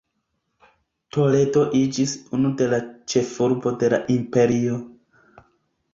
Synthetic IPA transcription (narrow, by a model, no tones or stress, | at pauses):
to̞le̞do̞ʔid͡ʒisunude̞lat͡ʃe̞fuɾbo̞de̞la̰ʔimpe̞ɾio̞